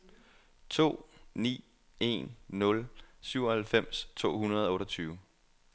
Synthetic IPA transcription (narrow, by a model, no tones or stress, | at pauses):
t͡sʰo̝̰ːnḭː | e̝̰nːɔ̽lsyʊ̰ɒhælfem̰st͡sʰo̝̰ːɦunɐðˠɒɔ̽ːɾɐt͡sʰyːʊ